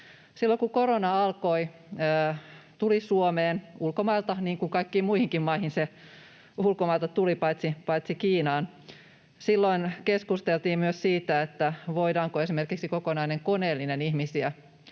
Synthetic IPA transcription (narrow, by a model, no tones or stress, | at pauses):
silːoŋkukoɾonɑɑlkoi | əːt̪ulisuomeːnulkomɑilt̪ɑniːŋkuŋkɑikːiːmmuihiŋkimmɑihinse | ulkomɑilt̪ɑt̪ulipɑjt̪sipɑit̪sikiːnɑːn | silːoinkeskust̪elt̪iːmmyøssiːt̪æet̪ːæʋoidɑːŋkoesimerkiksikokonɑineŋkoneːlːinenihmisiæ